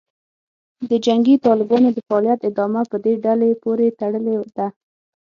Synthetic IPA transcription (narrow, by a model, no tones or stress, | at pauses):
d̪əd͡ʒaŋɡit̪ɑlɪbɑnod̪əfaːlijat̪ɪd̪ɑmapəd̪eɖalepoɾet̪aɽəled̪a